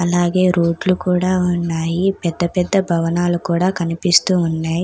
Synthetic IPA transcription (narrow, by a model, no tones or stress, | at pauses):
ɐlaːɡe̞ːɾoːɖlukuːɽaːunːaːjipɛd̪ːɐpɛd̪ːɐbʱɐʋɐnaːlukuːɽaːkɐnipist̪uːunːaːji